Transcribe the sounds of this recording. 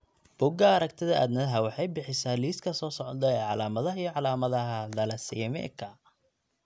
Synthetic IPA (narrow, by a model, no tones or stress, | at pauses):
b̥ʊɡɐɐɾɐkt̪ʰɪðɐʔæ̰ːd̪nɐðɦɐwɑħɑjbɪħɪsaːliːskʰɐsɔːsɔʕd̪ɐɛːʕɑlaːmɐðɐɦɐijɔʕɑlaːmɐðɐɦɐd̪ɐlɐsimɛ̰kʰɐ